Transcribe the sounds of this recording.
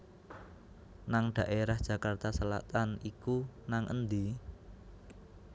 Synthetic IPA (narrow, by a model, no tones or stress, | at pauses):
naŋɖ̥ä̤ʔeɾahd̥ʒ̥ä̤kart̪asəla̰t̪anikunaŋʔə̰nd̪i